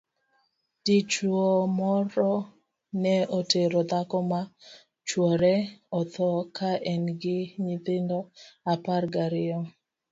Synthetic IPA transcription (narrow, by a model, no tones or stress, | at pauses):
d̥it͡ʃuomɔɾɔ | nɛoteɾɔd̪akɔma | t͡ʃwɔɾɛɔt̪ɔkʰaʔɛnɡɪɲɪt̪ɪndɔaparɡaɾɪɔ